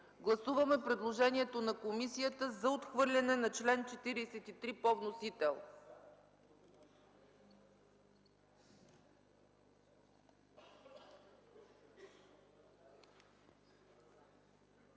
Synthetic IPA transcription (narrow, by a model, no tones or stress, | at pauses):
ɡlˠɐsuvɐmɛpɾɛd̪lˠoʒɛniɛt̪onɐkomisijət̪əzɐot̪xvɤɾlʲɐnɛnɐt͡ʃlɛnt͡ʃɛt̪iɾiːsɛt̪it̪ɾipɔvnosit̪ɛlˠ